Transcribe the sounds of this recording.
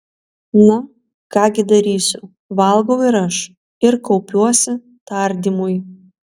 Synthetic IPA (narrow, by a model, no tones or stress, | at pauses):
nʊ | kɑːɡʲɪd̪ɐɾʲiːsʲʊ | ʋɐlˠɡɐʊɪɾɐʃ | ɪɾkɔʊpʲuɔsʲɪ | t̪ɐɾʲd̪ʲimʊj